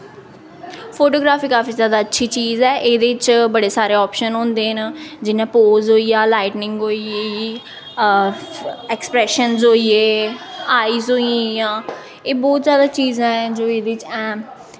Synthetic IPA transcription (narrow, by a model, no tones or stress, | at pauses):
pʰoːʈoːɡɾaːfiːkaːfiːzjaːd̪aːətːʃʰiːt͡ʃiːzɛːʔeːd̪eːɪt͡ʃbəɽeːsaːɾeːɔːpʃənɦõːnd̪eːɦnd͡ʒɪnẽːpoːzɦoːijaːlaːɪʈnɪŋɡɦoːie | ɛkspɾɛːʃənzoːieːaːiːzɦoːĩjãː | eːbɔːt̪zjaːd̪aːt͡ʃiːzãːɛ̃ːd͡ʒoːeːd̪eːɪt͡ʃɛ̃ː